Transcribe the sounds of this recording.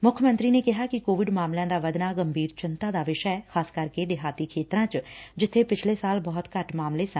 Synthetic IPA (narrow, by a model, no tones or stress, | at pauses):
mʊkʰəmə̃nt̪ɾiːneːkɪɦaːkɪkoːʋɪɖmaːmljãːd̪aːʋəd̪naːɡəmbʱiːɾt͡ʃɪnt̪ãːd̪aːʋɪʃəɛːkʰaːskəɾkeːd̪ɪɦaːt̪iːkʰeːt̪ɾãːt͡ʃd͡ʒɪt̪ʰːeːpɪt͡ʃʰleːsaːlbɔːt̪kəʈmaːmleːsən